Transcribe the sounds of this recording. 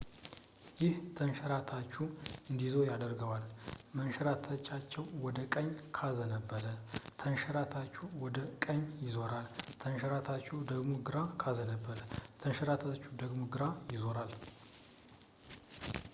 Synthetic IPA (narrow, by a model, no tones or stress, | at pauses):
jɪht̪ʰənʃəɾat̪ʰat͡ʃːuɨnd̪izojad̪əɾɡəwalmənʃəɾat̪ʰat͡ʃːat͡ʃːɛwwɔd̪əkʼəɲkʰazənəbːəɾət̪ʰənʃəɾat̪ʰat͡ʃːuwɔd̪əkʼəɲːjɪzo̞ɾalt̪ʰənʃəɾat̪ʰat͡ʃːuwd̪əɡmoɡɨɾakʰazənəbːəɾət̪ʰənʃəɾat̪ʰat͡ʃːud̪əɡmoɡɨɾajɪzo̞ɾal